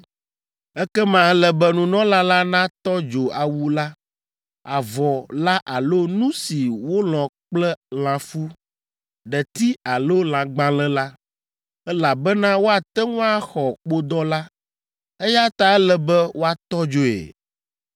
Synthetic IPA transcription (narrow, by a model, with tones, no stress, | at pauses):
ɛ˦kɛ˦mã˨ɛ˦lɛ˨bɛ˦nũ˨nɔ̃˦la˦la˦nã˦t̪ɔ˦d͡ʒo˨a˨wu˦la˦ | a˨vɔ˨la˦ʔa˨lo˦nũ˦si˨wo˦l̃ɔ̃˨k͡plɛ˦l̃ã˨fu˦ | ɖɛ˨t̪i˦a˨lo˦l̃ã˨ɡ͡bã˦lɛ̃˦la˦ | ɛ˦la˨bɛ˦nã˦wo˦a˨t̪ɛ˦ŋũ˦a˦xɔ˨k͡po˦d̪ɔ˦la˦ | ɛ˦ja˦t̪a˨ɛ˦lɛ˨bɛ˦wo˦a˨t̪ɔ˦d͡ʒo˨ḛ˨